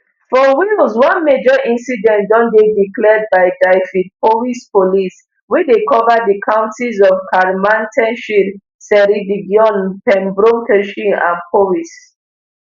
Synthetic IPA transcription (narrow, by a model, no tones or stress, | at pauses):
fɔwilswɔ̃nmed͡ʒɔʔĩnsidɛ̃ndɔ̃ndediklɛd̚baɪdaɪfid̚powispolis | widekʰɔvədikʰãʊ̃ntizɔvkʰaɹmãntʰɛ̃nʃil | sɛɹidiɡjɔ̃npɛ̃mbɹõŋkʰɛʃĩã̰npʰowis